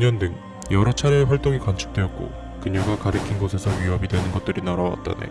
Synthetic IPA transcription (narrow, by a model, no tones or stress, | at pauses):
ɲʌndɯŋ | jʌɾʌt͡ɕʰaɾieɸwaɭt͈oŋikant͡ɕʰu̥k̚t͈we̞ʌt̚k͈o̰ | kɯɲʌɡakaɾɯkʰinɡosʰe̞sʰʌɥiɦʌbidwe̞nɯnɡʌt̚t͈ɯɾinaɾawa̰t̚t͈a̰nḛ